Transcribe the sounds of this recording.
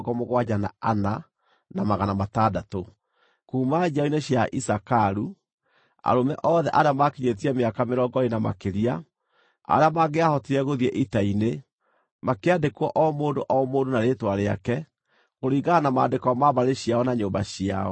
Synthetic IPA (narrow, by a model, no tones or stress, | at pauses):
ɡɔmoɣwaɲana̰ana | namaɣanamatadato | kuːmad͡ʒaoineɕjaʔisakaɾu | a̰ɾomɛʔɔðɛʔaɾeamakiɲet̬iɛmeakameɾɔːɡɔenama̰keɾia | a̰ɾeamaɣeahɔtiɾɛɣoðiɛʔitaine | makeadekwɔʔɔmoːndoʔɔmoːndonaɾeːtwaɾea̰kɛ | koɾiːɣɡanamaːdekɔmaβaɾeɕiaɔnaɲoːmbaɕia̰ɔ